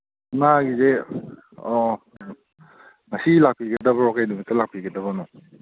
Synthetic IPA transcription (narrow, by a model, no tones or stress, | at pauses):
naɡize | ɔ | ŋɐsilak̚piɡɐdɐbɐɾɔkajdumitɐlak̚pʰiɡadɐβanɔ